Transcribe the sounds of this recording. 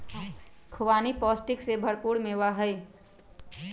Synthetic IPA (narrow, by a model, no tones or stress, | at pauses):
kʰʊʋaːnipɔsʈɪksebʱəɽpuɽmewaɦəj